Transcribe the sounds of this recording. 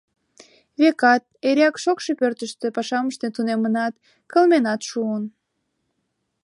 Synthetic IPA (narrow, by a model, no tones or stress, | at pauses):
βekɑt̪̚eɾɑkʃokʃe̽pørt̪əʃt̪ĕpɑʃɑməʃt̪ent̪unemənɑt̪ | kə̆lmenɑt̪ʃuən